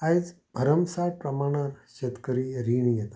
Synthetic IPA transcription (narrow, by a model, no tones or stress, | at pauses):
ajd͡z | bʱəɾəmsaɾpɾəmaɽ̃aɾɕet̪kəɾiɾiɳ̃ijet̪ḁ